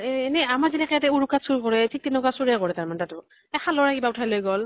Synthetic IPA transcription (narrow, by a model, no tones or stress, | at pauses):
enɛamaɹzinɛkɛjatɛuɹukatsuɹkɔɹɛtʰik̚tinʊkasuɹɛkɔɹɛtaɹmanɛtatʊ | ɛxʰalɔɹakibaʊtʰajlojɡɔl